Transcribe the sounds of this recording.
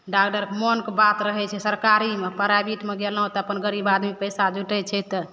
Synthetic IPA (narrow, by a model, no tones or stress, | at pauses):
ɖakʈəɾkmɔnkebat̪ɾəɦɛt͡ʃʰɛsəɾkaɾimepəɾabiʈmeɡelaɦõt̪ɔəpənɡəɾibad̪mipəjsad͡ʒuʈɛt͡ʃʰɛt̪ɔ